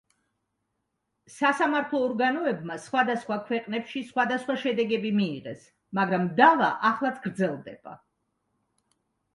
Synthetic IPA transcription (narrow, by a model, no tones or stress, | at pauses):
sasamaɾt̪ʰlˠɔːɾɡanɔɛbmasχwad̪asχwakʰwɛqʼnɛpʃisχwad̪asχwaʃɛd̪ɛɡɛbimiːʁɛs | maɡɾamd̪ava̰ʔaχlˠat̪sʰɡɾd̪zɛlˠd̪ɛ̰b̥a̰